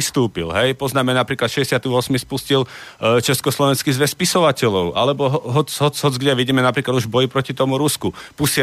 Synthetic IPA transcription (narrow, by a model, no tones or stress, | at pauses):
ist̪uːpḭlɦɛjpɔznaːmɛnapɾiːklat̪ʃɛɛsɪat̪iʋɔsmispuscilt͡ʃɛskɔslɔʋɛnskizʋɛspisɔʋacɛʎɔʊʔa̰lɛbɔɦɦɔt͡sɦɔt͡sɦɔt͡sɡɟɛʋiɟiːmɛnapɾiklad̪uʒbɔjipɾɔcit̪ɔmuɾuskupusɪ